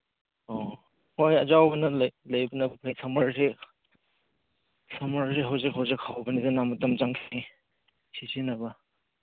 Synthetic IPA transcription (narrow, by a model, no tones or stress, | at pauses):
ɔ | hojɐzawbɐnɐllɐjbɐnɐbpʰɾesɐmɐɾse | sɐmaɾseɦawzik̚hawzik̚hawbɐnizenamutɐmt͡ʃaŋsʰi | sizinɐbɐ